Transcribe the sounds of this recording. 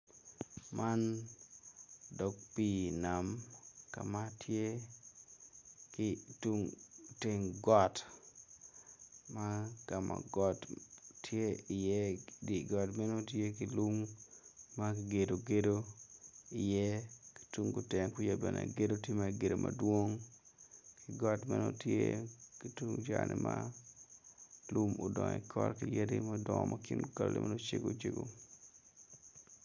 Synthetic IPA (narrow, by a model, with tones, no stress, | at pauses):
mʔa˦n | dɔ˨k̚pi˦na˨mka̰˨ma˦tʰje˦ | kitu˦ŋte˨ŋɡɔ˦t | ma˦ka˨mʔa̰˨ɡɔ˨tːje˦ɪ˨jɛ˦di˨ɡɔ˨tmɛ˦no˦tje˦ki˨lu˦ŋː | a˦kiɡe˨do˨ɡe˦do˦ | ɪ˨jɛ˦ki̥˨tu˦ŋɡu˨tɛ˨ŋku˦ja˨bɛ˨nḛ˨ɡe˦do˦tje˦ma˦ɡe˨do˨mʔa˨dwo˦ŋ | ki˨ɡɔ˦tmɛ˦no˦tje˦ki˨tu˦ŋd͡ʒanʔɪ˨ma | lu˦mo˨dɔ˨ŋ˨ikʰɔ˦tkije˦dima˦dɔ˨ŋɔ˨mʔakɪ˦nɡɔ˨llɛ̰˦ma˦no˦t͡ʃe˦ɡo˦t͡ʃe˦ɡo˨